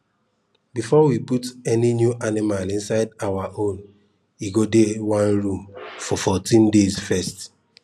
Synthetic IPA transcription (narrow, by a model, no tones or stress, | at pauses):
bifɔwiputɛninjuʔanimalĩnsaɪdawaʔõn | iɡodewãnɹũmfɔfɔtĩndezfɛst